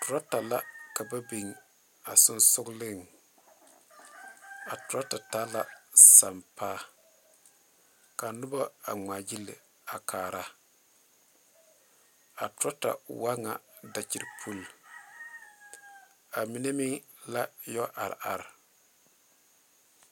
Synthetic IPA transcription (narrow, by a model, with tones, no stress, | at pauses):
tʊ˨ɾa˦ta˨la˦ka˨ba˦be˨ŋ | a˨sʊ˦nsʊ˦ɡlɪ˦ŋ | a˨tʊ˨ɾa˦ta˨ta˦la˦sa˨mpaː˦ | ka˨nʊ˦ba˦a̰˨ŋ͡ma˨d͡ʒi˦lɪ̰˨ | a˨kʰaː˨ɾa˦ | a˨tʊ˦ɾa˦ta̰˨wa˦ŋa˨da˨t͡ʃi˨ɾpʰu˦˨l | a˨mi˦ne˦mɪ˦ŋla˦jɔ˦ʔa˨ɾ̰a̰˨ɾ